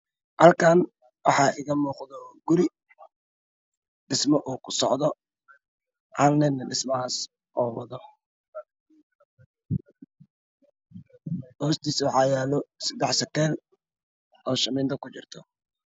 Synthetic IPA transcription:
hɐlkʰaːn | wɑħɑːɪɣɐmuːqðɔɡʊɾɪ | ɖɪsmɔʔuːkʰʊ̥sɔ̰ʕðɔ | ʔɐlnɛnːɐɖɪsmɐaːs | ʔɔːwɑðɔ | hɔːst̪ʰiːswɑħɑːjaːlɔsɐd̪ɛħsɐkɛːl | ɔːʃɐmɪːnt̪ʰɐkʊt͡ʃɪrt̪ʰɔ

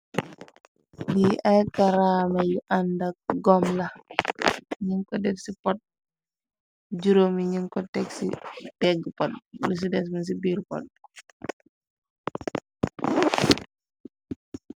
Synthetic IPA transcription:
diʔɐjkɐɾamɐjuʔandɐk̚ɡɔmlɐ | ɲiŋkɔdɛfsipɔt̚ | d͡ʒuɾomiɲiŋkɔtɛksḭtɛɡpɔt̚lus̬idɛs̬mɐns̬ibiːɾpɔ̰t̚

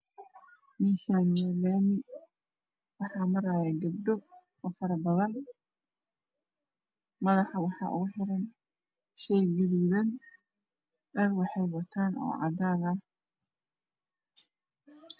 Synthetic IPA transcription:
mɪʃamɛlanɪ | wɑħɑːmɐɾaːjɛɡɐbɖɔ | ɔfɐɾɐbɐðɐn | mɐðɑħɑwɑħɑ̰ːʔʊ̰ɣʊħɪɾɐn | ʃɛjɡɪðuðɐn | ʔɐrwɑħɑjwɐt̪ʰaːnɔ̰ːʕɑ̰d̪aːnɐh

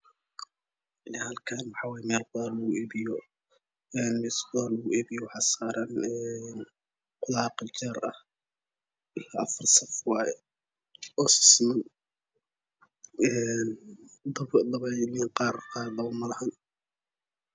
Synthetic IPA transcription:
hɐlkʰaːnmɑħɑːwaːjɛmɛːlqʊlaːrlɐɣʊʔɛːβɪjɔ | ɛːnmɛsbɔlɐɣʊɛːbɪjɔwħɑsaːɾɐnɛn | qʊlɑːqt͡ʃɛːɾɐ̰h | ɪlaʔɐfɐrsɐfwɑːjɛ | ɔːsɪ̥smɐn | ɛnd̪d̪ɐβɛjliqɑːrqɑɾd̪ɐʊmɐlɐhɐn

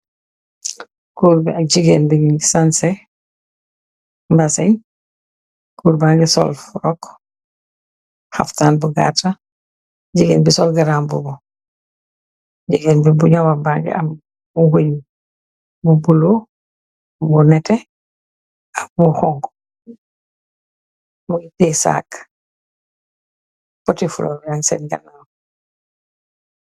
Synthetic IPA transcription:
kuːɾbiaɟiɡeːnbiɲisansɛ | mbasɛɲ | kuːɾbaːŋɡɛsɔ̰lfuɾɔk | ha̰ftaːnbuɡa̰ta | ɟiɡeːnbisɔlɡaɾaːmbṵbɔ | ɟiɡenbibuɲawabaɡḭa̰m | uɡoɲ | bubulo | bunɛtɛ | abuxɔŋɡ | muɡitesa̰ːk | pɔtifulɔ̰bansɛ̰nɡa̰naːm

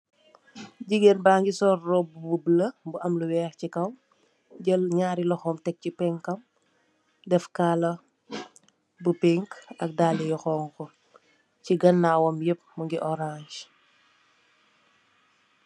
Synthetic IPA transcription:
ɟiɡenbaːŋɡisɔːrːɔbubublɐbuʔɐmluwɛːxcikɐm | ɟɐlɲaːɾilɐxɔːmtɛk̚cipɛŋkɐm | dɛfkaːlɐ | bupɛŋkɐk̚daːlijɔxɔːŋkɔ | ciɡɐnːaːwɔmjəp̚muŋɡiʔɔɾaɲd͡ʒ

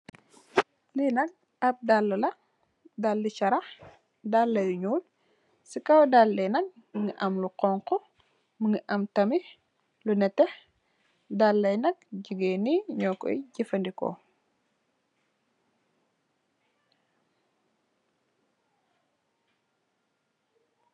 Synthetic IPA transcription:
linɐk̚ | ɐp̚dalːɐlɐ | dalːit͡ʃɐɾɐx | dalːɐjuɲuːl | sikɐwdalːɐjnɐk̚ | məŋɡəʔɐmluqɔŋkɔ | məŋɡəʔɐmtɐmi | lunɛtɛh | dalːɐjnɐk̚ɟuɡeniɲɔːkɔ̰iɟifɐndikɔ̰

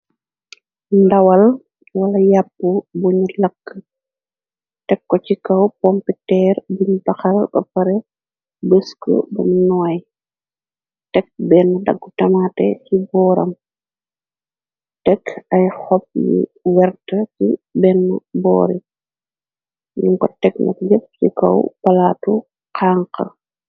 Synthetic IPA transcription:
ndɐwɐl | wɐlɐjapːubuɲulɐkːə | tɛkːɔcikɐwpɔmpitɛːɾbuɲubɐxɐlbɐpɐɾɛ | bəskə̰bṵminɔːj | tɛk̚bɛnːudɐ̰ɡːutɐmatɛcibɔːɾɐ̰m | tɛkʰɐjhɔp̚jḭwɛrtɐkibɛnːubɔ̰ːɾḭ | ɲuŋkɔtɛknɐ̰kɟəp̚cikɐ̰wpɐlaːtu | qaːŋqɐ̰

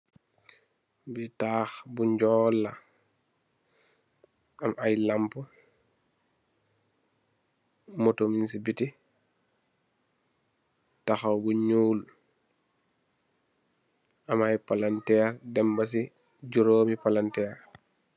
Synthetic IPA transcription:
bitaːxbuɲd͡ʒɔlːa | amʔajlampu | motominsibiti | taxawbuɲuːl | amajpalantɛɾdɛmbas̬i | d͡ʒuɾoːmipalantɛːɾ

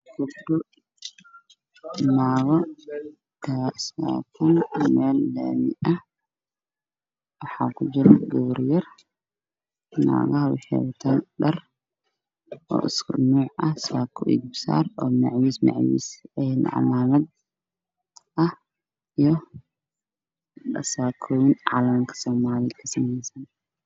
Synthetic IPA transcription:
kʰʊbdʊ | naːɣɔ | daːsa̰ːkʰɐnmɛːlːɐ̰mɪʔɐh | wɑħɑːkʰʊd͡ʒɪɾɛɡɔwɾjɐr | na̰ːɣɐɦɐwɑħɛwʊt̪ʰɐnɗɐr | ʔɔ̰ːʔɪskʰʊnuːʕɐhsaːkʰɔʔɪ̰ɡ̚bɪsa̰ːrɔːmɐʕwismɑ̰ʕwḭːsɛnʕɑ̰laːmɐd̪ | ʔɐh | ijɔ | ɗɐsaːkʰɔːwɪnʕɑːlɐŋkʰɐ̥sɔːmaːlɪkʰɐsɐmɛjsɐn

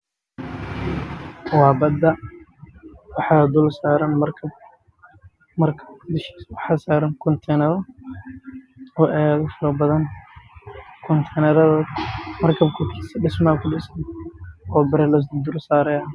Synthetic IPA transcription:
wɑːbɐd̪ɐ | wɑħɑd̪ʊlsaːɾɐnɐɐb | mɐrkʰɐdɪʃiwɑħɑːsaːɾɐnkʰɔnt̪ʰɛnɐɾɔ | ɔːʔɛːðʊfɐlɐbɐðɐn | kʰɔnt̪ʰɛnɐɾðɐmɐrkʰɐb̚kʰʊkʰiːsɖɪsmaːlkʰʊɖɪsnɔːbɐɾɛlɐd̪ʊlsaːɾɛjɐ

